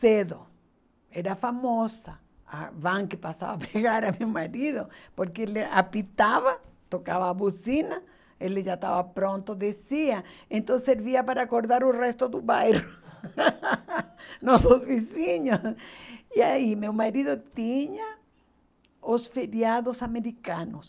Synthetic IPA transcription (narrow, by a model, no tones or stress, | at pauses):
seðo | eɾafamosa | a̰βãŋkɪpasa̰βapʰeɣaɾamewmaɾiðopoɾkeelɪa̰pit̪aβat̪okaβaːβusina | elɪʒat̪a̰βapɾõnt̪oðesiaẽnt̪õseɾβiapaɾakoɾðaɾʊrest̪oðʊβajro | nosozβisiɲosiaimewmaɾiðot̪iɲa | osfeɾjaðosameɾikanos